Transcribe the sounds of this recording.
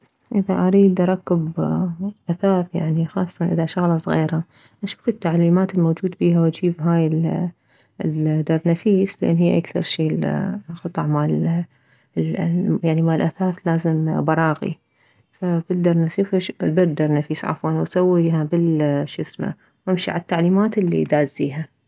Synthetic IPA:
ʔɪðaʔaɾiːd̪ʔɑɾˤɑkːɪb | ʔaθaːθjaʕnixɑ̰ːsˤːɑnʔɪðaʃaɣlɑsˤɣḭːɾa | ʔaʃu̥ːfɪt̪ːaʕliːmaːt̪ɪlmoːd͡ʒuːd̪biːɦaw̪d͡ʒiːbɦaːjɪ | d̪ɑɾˤnafiːslʔḛːnːɦiːʔakθɑ̰ɾˤʃiːxɑt̪ˤɑʕmal | jaʕnimaːlʔaθaːθlaːzɪmbɑɾˤɑːɣḭ | fabɪd̪ɑɾˤnasiːfbɪɾd̪ɑɾˤnafiːsʕa̰fwaːnwsawːiːɦabɪlʃɪsma̰ | wʔɪmʃḭʕat̪ːaʕliːmaːt̪ɪlːḭd̪aːziːɦa

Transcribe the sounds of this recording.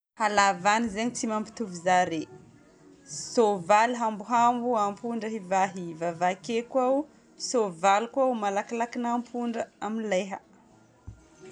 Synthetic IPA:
halavanizeɲit͡simampi̥t̪uvizaɾe | sovaliɦambuɦambuampuɳɖ͡ʐəɦivaɦivavakekwau | sovalkuaumalakilakinampʰuɳɖ͡ʐəaminleɦə̰

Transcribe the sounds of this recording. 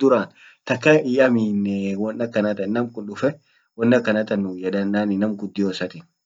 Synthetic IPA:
d̪ʊɾaːn | t̪ɐkːɐiɐminwɔnːɐkːɐnɐt̪ɐnnɐmkʊnɗʊfɛ | wɔnːɐkːɐnɐt̪ɐnːʊjɛᶑ̪ɐnːaːnɪnɐmɡʊd̪ːɪjoːsɐt̪ɪ

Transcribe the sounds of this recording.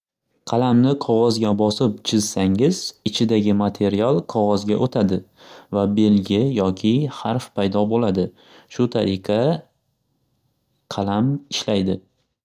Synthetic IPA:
qʰɑlamnɪqʰɒʁɒzɡʲabɒsɪp̚t͡ʃʰɪzsaŋɪz̥ɪt͡ʃʰɪd̪aɡʲɪmat̪ʰe̞ɾijalˠqʰɒʁɒzɡʲaʔot̪ʰad̪ɪ | vabe̞lɡʲɪjɒkʲʰɪhaɾfpʰajd̪ɒbolad̪ɪ | ʃʊt̪ʰaɾɪqʰɑ | qʰɑlamɪʃlajd̪ɪ

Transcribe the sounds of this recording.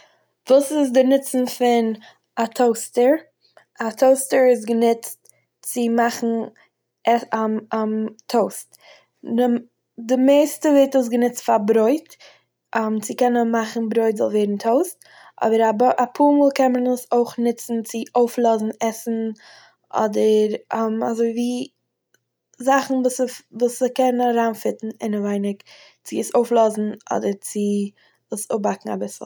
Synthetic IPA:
vuːsɪsdɪnɪt͡sn̩fɪn | atʰoʊstəɾ | atʰoʊstəɾɪs̬ɡənɪt͡st | t͡sɪmaχn̩ | ʔɛaamtʰoʊst | dɪmeɪstəveɪtəs̬ɡənɪt͡stfabɾoɪt | ʔamt͡sɪkɛnənmaχn̩bɾoɪtzɔ̰lˠvɛːdn̩tʰoʊst | ɔ̰bəɾabʔapʰuːɾmɔːlˠkɛnmənəsoʊχnɪt͡sn̩t͡sɪʔoʊflˠɔzn̩ɛsn̩ | ʔɔ̰dəɾmazoɪviː | zaχn̩vuːsvuːsəkɛnəaɾaːnfɪtn̩ɪnəvaɪnɪk | t͡sɪəsoʊflˠɔzn̩ɔ̰dəɾt͡sɪ | əsʊbakŋ̩a̰bɪsl̩ˠ

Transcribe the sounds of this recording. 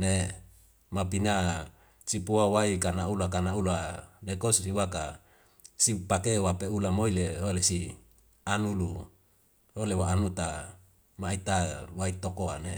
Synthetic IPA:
ne | mapina | t͡ʃipuawaikanaulakanaulanekossiwaka | sipakewapeulamoileɦolesi | anulu | holewaːnut̪a | mait̪await̪okoane

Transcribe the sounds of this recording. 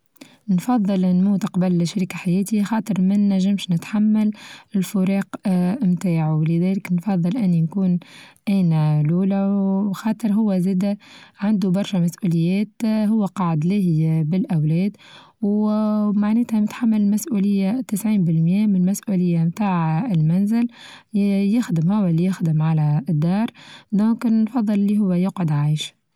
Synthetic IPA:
nfɑðˤːɨlnmuːt̪qɑbalʃaɾikaħajɛːt̪ixɑːt̪ˤɨɾˤmɪnːæʒɪmʃnɪt̪ħamːalɪlfʊɾɑːqmt̪aːʕlɪðɛːlɪknfɑðˤːɨlʔɪnːinkuːnʔæːnæluːlæxɑːt̪ˤɨɾɦʊwːæzɛːd̪æʕand̪ubɑɾˤʃɛmæsʔuːlɪjːɛːt̪ɦʊwːæqɑʕd̪lɪhbɪlʔawlɛːd̪ | wmaʕneːt̪hæmɪt̪ħamːɪlmasʔuːlɪjːat̪ɪsʕiːnbɪlmjɛːmɪnmæsʔuːlɪjːamt̪aːʕɪlmænzɪl | jɪxd̪ɪmhʊwːælːijɪxd̪ɪmʕalæd̪ːɑːɾˤd̪õːknnfɑðˤːɨllːiɦʊwːæjʊqʕʊd̪ʕajʃ

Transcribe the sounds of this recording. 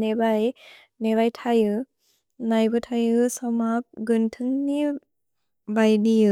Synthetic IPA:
ebaj | nebajtʰajɯ | najbɯtʰajɯsɔmap̚ɡɯntʰɯŋni | bajdiɯ

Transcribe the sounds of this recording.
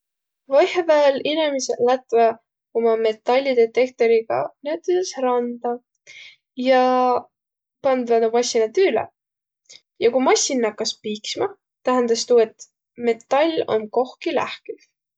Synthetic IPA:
vɑjhvæːlinemiselæt̪ˑvɑ | omɑme̞t̪ːˑɑlʲːid̪et̪e̞k̚t̪o̞ɾiɡ̥ɑ̰niet̪ːˑisesrɑnd̪̥ɑ | jɑ | pɑnd̪vænumɑsʲːinɑt̪yːlḛ | jɑkumɑsʲinːɑkːɑspiːksmɑ | t̪æɦænd̪̥ɑst̪uːe̞t̪ | me̞t̪ːɑlʲo̞̰mko̞hkilæhkiv̥

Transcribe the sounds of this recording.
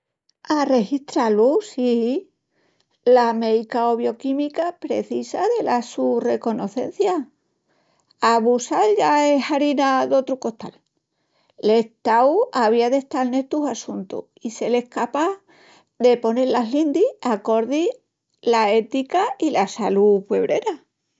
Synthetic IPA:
are̞hiht̪ɾalusi | lame̞jkao̞βjo̞kimikapɾe̞̰θisaðe̞lasure̞ko̞no̞θe̞̰n̟θja | aβusalʎaeɦaɾinaðo̞t̪ɾuko̞ht̪a̰l | le̞ht̪awaβiaðe̞ht̪alne̞t̪usasunt̪ṵ | ise̞lehkapa | ðe̞po̞neɾlaɦlind̪iako̞ɾði | lae̞t̪ikailasalupweβɾe̞ɾa

